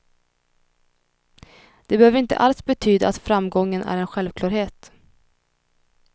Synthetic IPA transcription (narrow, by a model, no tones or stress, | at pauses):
d̪̥ɛbɛhøːvɾɪnt̪ə̰ʔalsbɛt̪ʰyːd̪a̰at̪fɾamɡɔŋːənæ̰ɾɛnɧɛlvkʰlɑːɾheːt̪